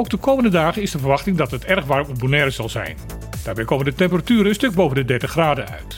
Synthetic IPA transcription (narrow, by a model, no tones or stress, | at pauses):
oːwɡ̚dəkowməndədaːɣəɪsdəvərʋɑxtɪŋdɑtətɛrχʋaːrmubunɛɾəzɑlˠzɛ̰jn | d̥aːrbɛjkoːməndətɛmpəratyːɾənənstøk̚bowvəndədɛrtəχraːdəœ̰ɥt